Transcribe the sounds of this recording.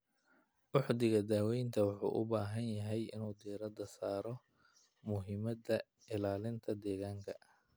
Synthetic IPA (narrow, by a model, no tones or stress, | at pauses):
wɑħd̪ɪɣɐd̪aːwɛjnt̪ʰɐwɑħṵːʔʊ̰baːɦɐnjɐɦɛjɪ̰nuːd̪ɛːɾɐd̪ɐsaːɾɔ | mʊɦɪmɐd̪ɐ | ɪlaːlɪnt̪ʰɐd̪ɛːɣaːŋkʰɐ